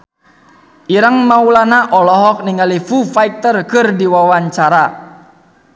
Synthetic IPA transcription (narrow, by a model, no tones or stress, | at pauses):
ʔiɾəŋmaulanaʔɔlɔɦɔk̚niŋalifufaik̚t̪ərkɨrdiwawaɲt͡ʃaɾa